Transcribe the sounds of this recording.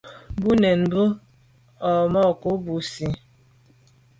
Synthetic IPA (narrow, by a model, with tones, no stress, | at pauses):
bu˦nɛ˨n˨bu˦ | ɔ˨mɔ˦˨ko˨˦bu˨si˨